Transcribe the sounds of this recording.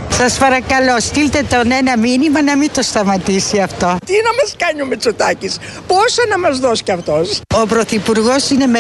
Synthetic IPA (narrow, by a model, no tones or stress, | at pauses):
sɐspɐɾɐkɐlost̪ilt̪e̞t̪one̞nɐminimɐnɐmit̪o̞st̪ɐmɐt̪isiɐft̪o̞t̪inɐmɐskɐɲumet͡sot̪ɐcis | posɐnɐmɐzðoscɐft̪o̞so̞pɾo̞θipuɾɣo̞sine̞me